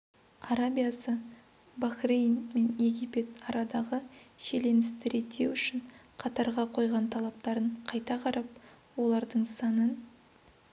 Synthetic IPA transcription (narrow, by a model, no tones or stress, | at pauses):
ɑɾabʲijasə | baxrejnme̞nje̞ɡʲijpe̞t̪ɑɾʔɑd̪ɑʁəʃe̞le̞nɪst̪ɪɾe̞t̪ʰːe̞wʏʃɪɴ | qʰɑt̪ɑɾʁɑqʰo̞jʁɑnt̪ʰɑlˠɑp̚t̪ɑɾəɴqʰɑjt̪ɑqʰɑɾɑp̚ | wo̞lˠɑɾd̪əɴsɑnən